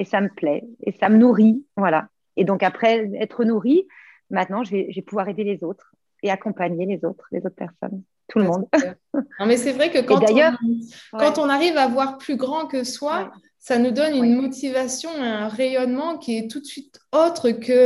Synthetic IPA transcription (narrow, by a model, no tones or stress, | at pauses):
esaməplɛḛsamənuʁivwala | ed̪ɔ̃kapχɛɛt̪χənuʁi | mɛ̃t̪̚nɑ̃ʒəvɛʒvɛpuvwaʁed̪elezot̪χ | eakɔ̃paɲelezot̪χlḛzot̪̚χpɛʁsɔ̰n | t̪ʰulmɔ̃d̪ | mɛsɛvʁɛkəked̪ajœʁkɑ̃t̪ɔ̃naʁivavwaʁplyɡʁɑ̃kəswa | sanud̪ɔnynmɔt̪ivasjɔ̃eɛ̃ʁejɔnmɑ̃kʲiɛt̪ut̪sɥit̪ot̪χəkə